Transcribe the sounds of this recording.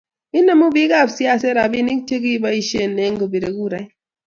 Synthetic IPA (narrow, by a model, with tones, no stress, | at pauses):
i˦na˨mu˦bi˦ka˦˨bsi˦a˦˨se˦ɾa˨bi˦ni˦k̚t͡ʃe˦ɡi˦ba˦i˦ʃe˦˨ne˦ŋ˦ɡo˨bi˨ɾe˨ɡu˦˨ɾa˨˦j